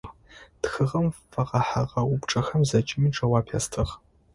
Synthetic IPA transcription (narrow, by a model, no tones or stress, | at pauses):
txɨʁɐmfɐʁɐħaʁɐwʊpʈ͡ʂʼɐxɐmzɐt͡ʃʼɪmiːʈ͡ʂʼɐwaːpʰa̰ːstʰɨʁ